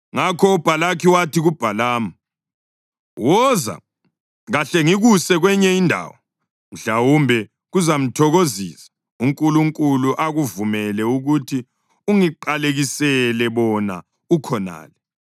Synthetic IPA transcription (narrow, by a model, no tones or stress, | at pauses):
ŋakʰɔub̥ʱalakʰiwatiɣub̥ʱalaːma | wɔza̰ | ɣaɬɛŋiɣusɛɣwɛɲɛindʱa̰ːwɔ | m̩ɮawumbʱɛ | ɣuzam̩tʰɔɣoziːsḁ | uŋkʼuluŋkʼuluʔaɣuvumɛlɛuɣutʰi | uŋiǃaleɣisɛlɛβɔna̰ | ukʰɔna̰ːlɛ